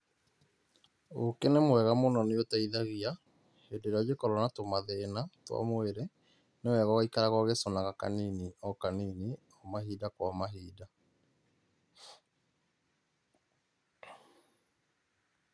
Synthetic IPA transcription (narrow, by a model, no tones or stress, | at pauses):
okenemwɛɣamonɔneotaiðaɣia | hendeɾeɔd͡ʑekɔɾɔnatomaðenatwa̰mweɾɛ | newɛɣawaikaɾaɣwaɣesɔnaɣaka̰niːniɔkaniːni | ɔmahiːdakwamaɦiːda